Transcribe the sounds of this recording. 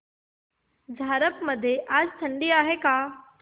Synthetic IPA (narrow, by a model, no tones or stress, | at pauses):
d͡zʱaːɾəpmɐd̪ʱjeʔaːd͡ʑt̪ʰɐ̃ɳɖiaːɦekaː